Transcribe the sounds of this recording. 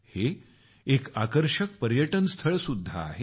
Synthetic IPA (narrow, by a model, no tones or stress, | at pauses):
he | ekakəɾɕək̚pəɾjəʈənst̪ʰəɭsud̪ʱːa̰ːɦe